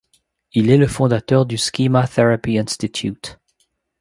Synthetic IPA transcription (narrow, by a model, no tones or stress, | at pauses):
ilɛləfɔ̃d̪at̪œʁd̪yskʲimaθeʁapiɛ̃nst̪it̪ʰjṵt̪